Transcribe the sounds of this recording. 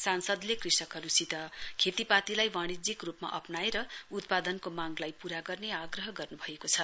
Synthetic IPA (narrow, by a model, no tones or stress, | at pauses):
sansʌd̪lekrisʌkɦʌɾusit̪ʌkʰet̪ipat̪ilajwaɽ̃id͡zikrupma̰ʔʌpnaeɾʌut̪̚pad̪ʌnkomaɡlajpuɾaɡʌrneaɡrʌɦʌɡʌrnubʱʌekot͡sʰʌ